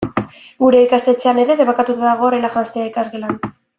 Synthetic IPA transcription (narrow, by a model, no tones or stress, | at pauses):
ɡuɾe̞ikast̪et͡ʃe̞ane̞ɾe̞ðe̞βokat̪ut̪aðaɣ̞oːrelaxast̪eaikazɣe̞lan